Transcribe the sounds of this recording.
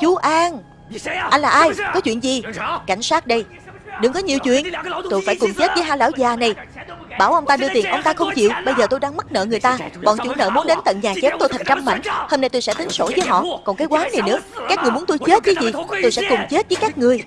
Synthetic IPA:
t͡ɕu˨˦ʔaː˧ŋ | ʔa˧n̟laː˨˩ʔaː˧jkɔ˨˦t͡ɕwḭ˧˨ənzi˨˩ka˧˩jŋ̟saː˦˥t̚ɗə˧j | ɗɨ˨˧˦ŋkɔ˨˦ɲi˨əwt͡ɕwḭ˧˨ənt̪o˧jfaː˧˩jkʊ˨˩ŋ͡mt͡ɕe˦˥t̚vəː˨˦jɦaː˧jlaː˧˩wzaː˨˩na˨˩jɓaː˧˩wʔə˧wŋ͡mt̪aː˧ɗɨ˧ət̪i˨˩ənʔə˧wŋ͡mt̪aː˧xə˧wŋ͡mt͡ɕḭ˧˨wɓə˧jzəː˨˩t̪o˧jɗaː˧ŋmə˦˥t̚nə̰ː˧˨ŋɨ˨˩əjt̪aː˧kɔ̰˧˨nt͡ɕwḭ˧˥nə̰˧˨mu˨˦ənɗe˨˦nt̪ə̰˧˨nɲaː˨˩t͡ɕɛ˨˦˥t̪o˧jt̪ʰjŋ̟t͡ɕa˧mma̰˧˨jŋ̟ho˧mna˧jt̪o˧sɛ̰˧˥t̪ï˨˦ŋ̟so̰˧˩zəː˨˦jɦɔ̰˧˨kɔ˨˩nkaː˨˦jkwaː˨˦nːa˨˩jnɨ̰˧˥əkaː˦˥k̚ŋɨ˨˩jmu˨˦ənt̪o˧jt͡ɕe˦˥t̚vəː˨˦jzi˨˩t̪o˧jsɛ̰˧˥kʊ˨˩ŋ͡mt͡ɕe˦˥t̚və˨˦jkaː˦˥k̚ŋɨ˨˩əj

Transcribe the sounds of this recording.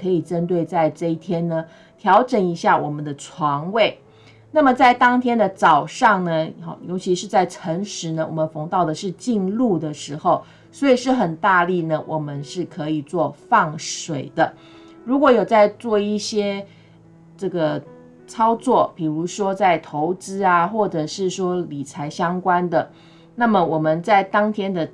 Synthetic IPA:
kʰɤ˧˥i˨˩ʈ͡ʂə˥nt̪we˥˧ɪt͡sa˥˧ɪʈ͡ʂɤ˥˧i˥˩t̪ʰjɛ˥nnə˨ | t̪ʰjɑ˧˥ʊʈ͡ʂə˨˩ni˧˥ɕja˥˩wɔ˨˩mə˦nd̪ə˨ʈ͡ʂʰwɑ˧˥ŋwe˥˩ɪ | na˥˩mə˩t͡sa˥˩ɪt̪ɑ˥ŋt̪ʰjɛ˥nd̪ə˨t͡sɑ˨˩ʊʂɑ˥˩ŋnə˨ɑ̰˨˩jo˧˥ʊt͡ɕʰi˧˥ʂɻ̩˥˧t͡sa˥˩ɪʈ͡ʂʰə˧˥ŋʂɻ̩˧˥nə˧˨wɔ˨˩mə˦nfɤ˧˥ŋt̪ɑ˥˩ʊd̪ə˩ʂɻ̩˥˧t͡ɕi˥˧nlu˥˩d̪ə˩ʂɻ̩˧˥xo˥˩ʊ | swɔ˧˥i˨˩ʂɻ̩˥˩xə˨˩nt̪a˥˧li˥˩nə˨wʔɔ˨˩mə˦nʂɻ̩˥˩kʰɤ˧˦i˨˩t͡swɔ˥˧fɑ˥˩ŋʂwe˨˩ɪd̪ə˦ | ɻu˧˥kwɔ˧˥jo˨˩ʊt͡sa˥˧ɪt͡swɔ˥˧i˥˩ɕjɛ˥ | ʈ͡ʂɤ˥˩ɡə˩ | t͡sʰɑ˥ʊt͡swɔ˥˩pi˨˩ɻu˧˥ʂwɔ˥t͡sa˥˩ɪt̪ʰo˧˦ʊt͡sɹ̩˥a˨xwɔ˥˩ʈ͡ʂɤ˨˩ʂɻ̩˥˩ʂwɔ˥li˨˩t͡sʰa˧˥ɪɕjɑ˥ŋkwa˦˥nd̪ə˨ | na˥˩mə˨wɔ˨˩mə˨˦nt͡sa˥˩ɪt̪ɑ˥ŋt̪ʰjɛ˥nd̪ə˨

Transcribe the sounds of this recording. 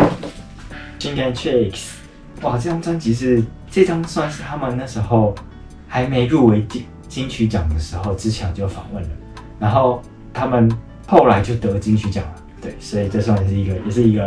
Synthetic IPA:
ɕi˥nka˥nt͡ɕʰe˥˧i˨˩ks | wa˥˨˩ʈ͡ʂɤ˥˧jɑ˥˩ŋt͡swa˥nt͡ɕi˧˥ʂ̬ɻ̩˥˧ | ʈ͡ʂe˥˧ʈ͡ʂɑ˥ŋswa˥˧nʂɻ̩˥˧t̪ʰa˥mə˨nna˥˩ʂɻ̩˧˥xo˥˩ʊ | xa˧˥ɪme˧˥ɪɻu˥˩we˧˥ɪt͡ɕi˥˨ | t͡ɕi˥nt͡ɕʰy˧˥t͡ɕjɑ˨˩ŋd̪ə˩ʂɻ̩˧˥xo˥˧ʊʈ͡ʂɻ̩˦t͡ɕʰjɑ˧˥ʊt͡ɕjo˥˩ʊfɑ̰˨˩˦ŋwə˥˩nlə˩ | na˧˥nxo˥˩ʊ | t̪ʰa˥mə˨n | xo˥˩ʊla˧˥ɪt͡ɕjo˥˩ʊt̪ɤ˧˦˧t͡ɕi˥nt͡ɕʰy˧˥t͡ɕjɑ̰˨˩ŋlə˩t̪we˥˩ɪswɔ˧˥i˨˩ʈ͡ʂɤ˥˧swa˥˧nʂɻ̩˥˩i˧˥ɡə˧jɛ˨˩ʂɻ̩˥˩i˧˥ɡə˧

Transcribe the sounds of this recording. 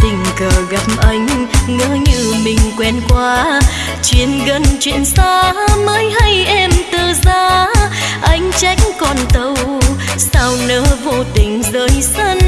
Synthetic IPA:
t̪ï˨˩ŋ̟kəː˨˩ɣa˨˩p̚ʔa˨˧˦jŋ̟ŋə̰ː˧˦ɲɨ˧mï˨˩ŋ̟kwɛ˧˩nkwaː˧ | t͡ɕwi˧˦ənɣə˧nt͡ɕwḭ˧˨ənsaː˧məː˨˦jɦa˧jʔɛ˧mt̪əː˨˩zaː˧ | ʔa˧˦jŋ̟t͡ɕa˧˦jk̟̚kɔ˨˩nt̪ə˧˩wsaː˧wnəː˧˦vo˧t̪ï˨˩ŋ̟zəː˧˦jsə˧n

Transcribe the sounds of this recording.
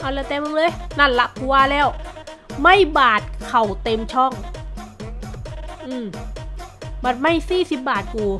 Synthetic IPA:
ʔa˧˩lɛː˧˩t̪ɛː˧mɯ˧˥ŋlɤː˧˨jna˧˥˩nla˧ʔku˧waː˧˩lɛː˧˩wma˧˥˩jbaː˨˩t̪̚kkʰa˨˩wt̪e˧mt͡ɕʰɔː˧˥˩ŋ | ʔɯː˧˩m | baː˨˩t̪̚ma˥˩jsiː˧˥˩si˧˦p̚baː˨˩t̪̚kuː˨˩

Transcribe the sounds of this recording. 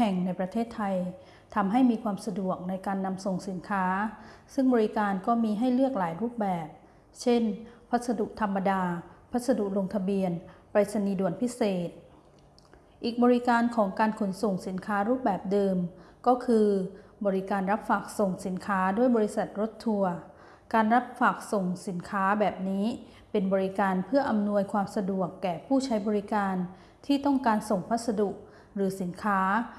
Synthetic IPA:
hɛ˨˩ŋna˧jpɾa˧t̪ʰeː˥˩t̪ʰːa˧j | t̪ʰa˧mɦa˥˩jmiː˧kʰwaː˧msa˧du˨˩ək̚na˧jkaː˧nːa˧mso˨˩ŋsi˩˦nkʰaː˦˥sɯ˥˩ŋbɔː˧ɾi˦˥kaː˧nkɔː˥˩miː˧ɦa˥˩jlɯ˥˩ək̚laː˩˦jɾuː˥˩p̚bɛː˨˩p̚ | t͡ɕʰe˥˩npʰa˦˥t̪̚sa˧du˨˩ʔ̚t̪ʰa˧mːa˧daː˧pʰa˦˥t̪̚sa˧du˨˩ʔ̚lo˧ŋt̪ʰa˧bi˧ənpɾa˧˩t̪̚sa˧niː˧du˨˩ənpʰi˦˥seː˨˩t̪̚ | ʔiː˨˩k̚bɔː˧ɾi˦˥kaː˧nkʰɔː˩˦ŋkaː˧nkʰo˩˦nso˨˩ŋsi˩˦nkʰaː˦˥ɾuː˥˩p̚bɛː˨˩p̚dɤː˧mkɔː˥˩kʰɯː˧bɔː˧ɾi˦˥kaː˧nɾa˦˥p̚faː˨˩k̚so˨˩ŋsi˩˦nkʰaː˦˥du˥˩əjbɔː˧ɾi˦˥sa˨˩t̪̚ɾo˦˥t̪ʰːu˧ɐ | kaː˧nɾa˦˥p̚faː˨˩k̚so˨˩ŋsi˩˦nkʰaː˦˥bɛː˨˩p̚niː˦˥ | pe˧nbɔː˧ɾi˦kaː˧npʰɯ˥˩ɐʔa˧mnu˧əjkʰwaː˧msa˧du˨˩əkːɛː˨˩pʰuː˥˩t͡ɕʰa˦˥jbɔː˧ɾi˦˥kaː˧n | t̪ʰiː˥˩t̪ɔ˥˩ŋkaː˧nso˨˩ŋpʰa˦˥t̪̚sa˧du˨˩ʔ̚ | ɾɯː˩˦si˩˦nkʰaː˦˥

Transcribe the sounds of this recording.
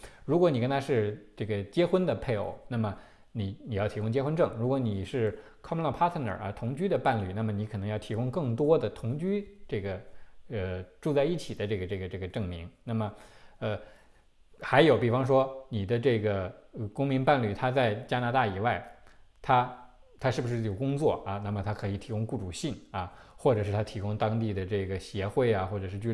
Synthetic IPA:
ɻu˧˥k̬wɔ˧˥ni˨˩kə˥nt̪ʰa˥ʂɻ̩˥˧ʈ͡ʂɤ˥˩ɡə˩t͡ɕjɛ˥xwə˥nd̪ə˨pʰe˥˩ɪo̰˨˩˦ʊna˥˩mə˩ | ni˧˩˦ni˨˩jɑ˥˩ʊt̪ʰi˧˥kʊ˥ŋt͡ɕjɛ˥xwə˥nʈ͡ʂɤ˥˩ŋɻu˧˥kwɔ˧˥ni˨˩ʂɻ̩˥˩ | kʰɑ˥m˥lɑ˥˩pʰa˥t̪ʰə˥˩nə̰˞˨˩ɐ̰˧t̪ʰʊ˧˥ŋt͡ɕy˥d̪ə˨pa˥˧nly˥˩˦na˥˩mə˩ni˧˥kʰnɤ˧˥ŋjɑ˥˩t̪ʰi˧˥kʊ˥ŋkɤ˥˩ŋt̪wɔ˥d̪ə˨t̪ʰʊ˧˥ŋt͡ɕy˥ʈ͡ʂɤ˥˩ɡə˩ə˧ʈ͡ʂu˥˧t͡sa˥˧ɪi˥˩t͡ɕʰi˨˩d̪ə˦ʈ͡ʂɤ˥˩ɡə˩ʈ͡ʂɤ˥˩ɡə˩ʈ͡ʂɤ˥˩ɡə˩ʈ͡ʂɤ˥˩ŋmi˧˥ŋna˥˩mə˩ə˧ | xa˧˥ɪjo˨˧ʊpi˨˩fɑ˥ŋʂ̬wɔ˥ni˨˩d̪ə˦ʈ͡ʂɤ˥˩ɡə˩˧kʊ˥ŋmi˧˥ŋpa˥˧nly˥˩t̪ʰa˥t͡sa˥˩ɪt͡ɕja˥na˧˥t̪a˥˩i˨˩wa˥˩ɪt̪ʰa˥t̪ʰa˥ʂɻ̩˥˩bu˩ʂɻ̩˥˩jo˨˩ʊkʊ˥ŋt͡swɔ˥˩ɐ˩na˥˩mə˩t̪ʰa˥kʰɤ˧˥i˨˩t̪ʰi˧˥kʊ˥ŋku˥˩ʈ͡ʂu˨˩ɕi˥˩nɐ˩xwɔ˥˩ʈ͡ʂɤ˨˩ʂɻ̩˥˩t̪ʰa˥t̪ʰi˧˥kʊ˥ŋt̪ɑ˥ŋt̪i˥˧d̪ə˩ʈ͡ʂɤ˥˩ɡə˩ɕjɛ˧˥xwe˥˩ɪa˩xwɔ˥˩ʈ͡ʂɤ˨˩ʂɻ̩˥˩t͡ɕy˥

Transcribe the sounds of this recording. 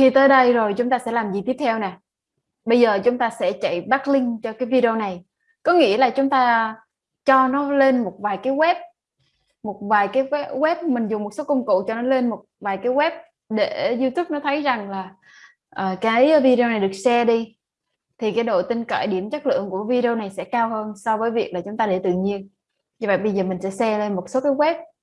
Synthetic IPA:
t̪ʰi˨˩t̪əː˨˦jɗə˧jzo˨˩jt͡ɕʊ˨˦ŋ͡mt̪aː˧sɛ̰˧˥laː˨˩mzi˨˩t̪i˦˥əp̚t̪ʰɛ˧wnɛː˨˩ | ɓə˧jzəː˨˩t͡ɕʊ˨˦ŋ͡mt̪aː˧sɛ̰˧˥t͡ɕə̰˧˨jɓaː˦˥k̚lï˧ŋt͡ɕɔ˧kaː˨˦jvi˧ɗi˧o˧na˨˩j | kɔ˨˦ŋḭ˧˥əlaː˨˩t͡ɕʊ˨˦ŋ͡mt̪aː˧ | t͡ɕɔ˧nɔ˨˦le˧nmo˨˩t̚vaː˨˩jkaː˨˦jɣwɛ˦˥p̚ | mo˨˩t̚vaː˨˩jkaː˨˦jɛ˦˥jɣwɛ˦˥p̚mï˨˩ŋ̟zʊ˨˩ŋ͡mmo˨˩t̚so˨˦kə˧wŋ͡mkṵ˧˨t͡ɕɔ˧nɔ˨˦le˧nmo˨˩t̚vaː˨˩jkaː˨˦jɣwɛ˦˥p̚ | ɗe˧˩˨zu˧t̪ʰu˦˥p̚nɔ˨˦t̪ʰə˨˦jza˨˩ŋlaː˨˩ | ʔəː˨˩kaː˨˦˨i˨˦jvi˧ɗe˧o˧na˨˩jɗɨ˨˩ək̚sɛ˧ɗi˧ | t̪ʰi˨˩kaː˨˦jɗo̰˧˨jt̪i˧ŋkə̰ː˧˨jɗi˧˩əmt͡ɕa˦˥k̚lɨ̰˧˨əŋku˧˩əvi˧ɗe˧o˧na˨˩jsɛ̰˧˥kaː˧whəː˧nsɔ˧vəː˨˦jvi˨˩ək̚laː˨˩t͡ɕʊ˨˦ŋ͡mt̪aː˧ɗe˧˩t̪ɨ̰˧˨ɲi˧ən | ɲɨ˧və̰˧˨jɓə˧jzəː˨˩mï˨˩ŋ̟sɛ̰˧˥sɛ˧le˧nmo˨˩t̚so˨˦kaː˨˦jɣwɛ˦˥p̚

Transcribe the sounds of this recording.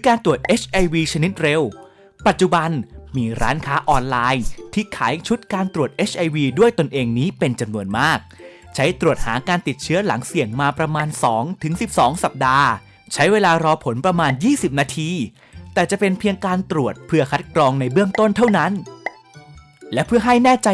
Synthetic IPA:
kaː˧nt̪ɾu˨˩ət̪̚ʔeː˦˥t͡ɕʰʔa˧jwiː˧t͡ɕʰa˧ni˦˥t̪̚ɾe˧w | pa˨˩t̪̚t͡ɕu˨ba˧nmiː˧ɾa̰ː˦˥nkʰaː˦˥ʔɔː˧nlaː˧jt̪ʰiː˥˩kʰaː˩˦jt͡ɕʰu˦˥t̪̚kaː˧nt̪ɾu˨˩ət̪̚ʔeː˦˥t͡ɕʰʔa˧jwiː˧du˥˩əjt̪o˧nʔeː˧ŋniː˦˥pe˧nt͡ɕa˧mnu˧ənmaː˥˩k̚ | t͡ɕʰa˦˥jt̪ɾu˨˩ət̪̚ha̰ː˩˦kaː˧nt̪i˨˩t̪̚t͡ɕʰɯ˦˥ɐla˩˦ŋsi˨˩əŋmaː˧pɾa˧maː˧nsɔː˩˦ŋt̪ʰɯ˩˦ŋsi˨˩p̚sɔː˩˦ŋsa˨˩p̚daː˧ | t͡ɕʰa˦˥jweː˧laː˧ɾɔː˧pʰo˩˦npɾa˧maː˧njiː˥˩si˨˩p̚naː˧t̪ʰiː˧ | t̪ɛː˨˩t͡ɕa˨˩ʔpe˧npʰi˧əŋkaː˧nt̪ɾu˨˩ət̪̚pʰɯ˥ɐkʰa˦˥t̪̚kʰɾɔː˧ŋna˧jbɯ˥˩əŋt̪o˥˩nt̪ʰa˥˩wna˦˥n | lɛ˦˥pʰɯ˥ɐɦa˥˩jnɛː˥˩t͡ɕa˧

